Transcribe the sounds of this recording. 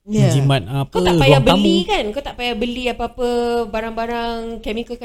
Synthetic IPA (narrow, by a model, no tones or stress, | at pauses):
jəand͡ʒimãt̪̚apkaw̪aʔpajabəlikankawt̪aʔpajabəliapəapəbaɾaŋbaɾaŋkɛmikəka